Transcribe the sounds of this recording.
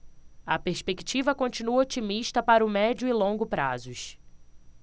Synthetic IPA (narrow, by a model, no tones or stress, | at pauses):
ɐpeɾspeki̥t͡ʃivɐkõt͡ʃinuɐot͡ʃimiʃt̪ɐpaɾɐʊmɛd͡ʒʊilõŋɡʊpɾa̰zʊʃ